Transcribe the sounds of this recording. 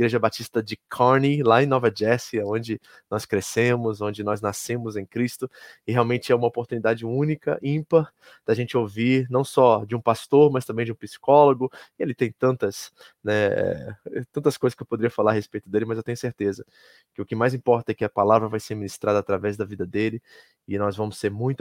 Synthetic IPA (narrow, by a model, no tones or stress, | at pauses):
iɡɾeʒɐbat͡ʃist̪ɐd͡ʒɪkʰɔɾnilaẽnɔvɐd͡ʒɛsiaõd͡ʒɪ | nɔskɾesẽmʊzõd͡ʒɪnɔznasẽmʊzẽj̃kɾist̪ʊɪheawmẽt͡ʃɪɛũmɐopoɾt̪unid̪ad͡ʒɪũnikɐ̰ʔĩpɐ | d̪̥ɐʒẽnt͡ʃɪoviɾnɐ̃w̃sɔd͡ʒɪũpast̪oɾmɐst̪ɐ̃mbẽj̃d͡ʒiũpisi̥kɔloɡʊɪelit̪ẽj̃t̪ɐ̃nt̪ɐs | nɛɛ̰ɛt̪ɐ̃nt̪ɐskojzɐskɪewpod̪eɾijɐfalaɾɐhespejt̪ʊd̪elɪmɐzewt̪ẽɲʊseɾt̪ezɐ | kɪʊkɪmajzĩpɔɾt̪ɐɛkɪɐpalavɾɐvajseɾminist̪ɾad̪ɐːt̪ɾavɛzd̪ɐvid̪ɐd̪elɪ | ɪnɔzvɐ̃mʊseɾmũj̃t̪